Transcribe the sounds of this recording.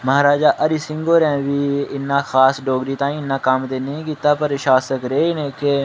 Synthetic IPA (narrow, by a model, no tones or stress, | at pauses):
məɦaːɾaːd͡ʒaːʔəɾiːsɪ̃ŋɡoːɾɛ̃ːʋiːɪnːãːxʰaːsɖoːɡɾiːt̪ãːĩːɪnːãːkəmt̪eːnəɦĩːkiːt̪aːpəɾʃaːsəkɾeːiːnẽːke